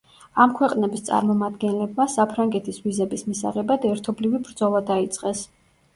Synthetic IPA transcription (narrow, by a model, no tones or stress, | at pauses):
amkʰwɛqʼnɛbist̪sʼa̰ɾmɔmad̪ɡɛnlɛb̚masapʰɾaŋɡɛt̪ʰisvizɛbismisa̰ʁɛbad̪ɛɾt̪ʰɔblivibɾd̪zɔlˠad̪ait̪sʼqʼɛs